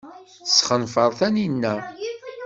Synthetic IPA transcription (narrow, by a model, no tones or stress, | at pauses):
θsχənfəɾˤθæninːæ